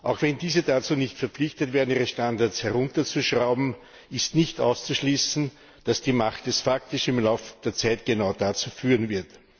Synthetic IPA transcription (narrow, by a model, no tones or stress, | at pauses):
ʔɑʊxv̥ɛndiːzədat͡suːnɪçtfɛɐpp͡flɪçtətveːɐdn̩iːʁəʃtandaɐshɛʁʊntɐt͡suʃʁaʊbm̩ | ɪstnɪçtʔa̰ʊst͡suʃliːsn̩ | d̥asd̥iːmaχtɛsfaktɪʃɪmlaʊfd̥eːɐt͡sæɪtɡ̥enaʊdat͡suːfyːʁənvɪɐt